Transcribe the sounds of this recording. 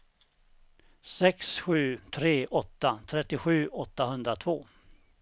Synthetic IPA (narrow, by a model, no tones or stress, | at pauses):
sɛksɧʉ̟ːt̪ʰɾeːʔɔt̪ːat̪ʰɾɛt̪ːɪɧʉ̟ːʔɔt̪ːahɵnd̪ɾat̪ʰvoː